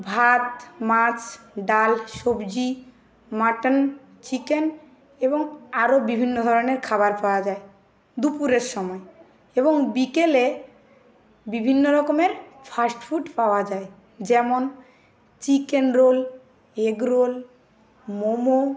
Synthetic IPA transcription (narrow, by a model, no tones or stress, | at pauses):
bʱat̪mat͡ɕɖalʃobd͡ʑi | maʈən | t͡ɕiken | eboŋaɾobibʱinːod̪ʱɔɾoneɾkʰaβaɾpaoad͡ʑae | d̪upuɾeɾʃɔmɔe | eboŋbikele | bibʱinːoɾɔkomeɾfʰasʈfʰuʈpaoad͡ʑae | d͡ʑɛmon | t͡ɕikenɾol | eɡɾol | momo